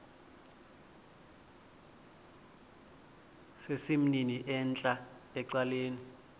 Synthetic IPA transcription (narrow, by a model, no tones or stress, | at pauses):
sesim̩niniʔɛnt͡ɬʼaɛǀaleːni